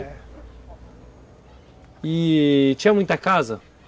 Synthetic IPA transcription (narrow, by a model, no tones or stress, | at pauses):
ɪt͡ʃĩɲɐ̃mũj̃t̪ɐkazɐ